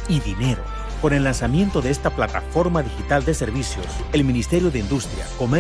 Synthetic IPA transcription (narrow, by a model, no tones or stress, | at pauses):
iðine̞ɾo̞̰ | ko̞ne̞lːansamje̞nt̪o̞ðe̞est̪aplat̪a̰fo̞ɾmaðixit̪ald̪e̞se̞ɾβisjo̞̰se̞lminist̪e̞ɾjo̞ðe̞ind̪ust̪ɾja̰ko̞me